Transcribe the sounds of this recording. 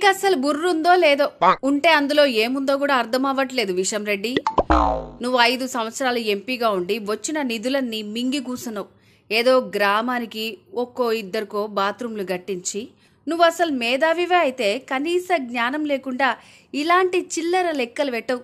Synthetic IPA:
kɐɐsɐlubuɾːund̪o̞ːlɛːd̪o̞ːuɳʈe̞ːɐnd̪ulo̞ːeːmund̪o̞ːk̬uːɽaːɾt̪ʰɐmɐʋɐʈle̞ːd̪uʋiʂɐmɾe̞ɖːi | nuʋːuɐjd̪usɐmʋɐt̪sɾaːlue̞mpiːɡaːuɳɖiʋɐt͡ʃːinɐnid̪ulɐnːimiŋɡikuːsunːɐu | eːd̪o̞ːɡɾaːmaːnikiokːo̞ːid̪ːɐɾikoːbaːt̪ɾumluɡɐʈːiɲt͡ʃi | nuʋːuɐsɐlumɛːd̪aːʋiʋeːɐjit̪e̞ːkɐniːsɐɡɲaːnɐmle̞ːkuɳɖaː | ilaːɳʈit͡ʃilːɐɾɐlɛkːɐluʋɛʈːɐwu

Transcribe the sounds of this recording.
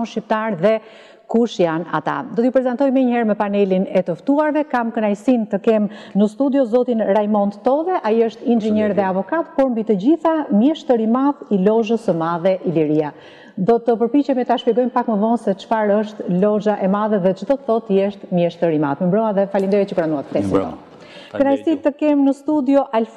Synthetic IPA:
ɔnʃip̚t̪aɾðɛ | kuʃjana̰t̪a̰d̪ɔt̪əjupɾɛzɛnt̪ɔjmɛɲəhɛɾmɛpanɛlinɛt̪əft̪uaɾvɛkamkənajsint̪əkɛmnəst̪ud̪jɔzɔt̪inɾajmɔnt̪t̪ɔðɛʔaiəʃt̪ind͡ʒiɲɛɾðɛavɔkat̪pɔɾmbit̪əd͡ʑiθamjɛʃt̪əɾimaðilɔʒəsəmaðɛʔiliɾia | d̪ɔt̪əpəɾpit͡ɕɛmɛt̪aʃpjɛɡɔjnpakməvɔnsɛt͡ʃə̥faɾəʃt̪lɔʒaʔɛmaðɛðɛt͡ʃəd̪ɔt̪əθɔt̪əjɛʃt̪mjɛʃt̪əɾima̰ðməmbɾɔaðɛfalind̪ɔjɛt͡ʃəkɾanuat̪t̪ːɛsint̪ɔ̰ | kənajsit̪əkɛmnəst̪ud̪jɔʔalf

